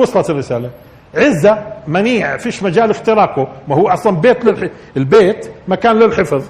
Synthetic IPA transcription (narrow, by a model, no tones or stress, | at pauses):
wʊsˤlˤɑt̪rːɪsaːla | ʕɪzːamaniːʕfiːʃmad͡ʒaːlɪft̪ɪɾɑːkʊmahuːʔɑsˤlɑnbeːt̪lɪl | ɪlbeːt̪makaːnlɪlħɪfɑðˤ